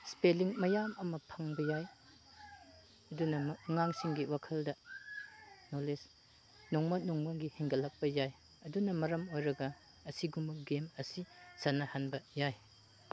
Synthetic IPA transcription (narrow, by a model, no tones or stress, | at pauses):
speliŋmɐjamɐmɐpʰɐŋbɐjaj | ɐdunɐmŋaŋsiŋɡiwakʰɐldɐ | noles | nɔŋmɐnɔŋmɐɡiheŋɡɐlːɐk̚pɐjaj | ɐdunɐmɐɾɐmojɾɐɡɐ | ɐsiɡumɐɡemɐsisanɐhanbɐjaj